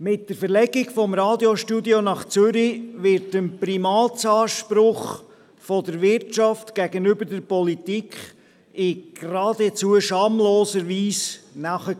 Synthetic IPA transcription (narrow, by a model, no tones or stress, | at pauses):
mɪt̚d̥əɾfəɾlɛɡɪɡfɔmɾɑːdjoʃtudjonɑχt͡søɾiʋɪɾtənpɾimɑːt͡sɑːʃpɾʊχ | fɔdəɾʋɪɾtt͡ʃɑftɡ̥æɡənʏbəɾdəɾpɔlitikʰχ | ɪɡ̥ɾɑːdɛt͡suəʃɑːmloːsəɾviːsnɑχə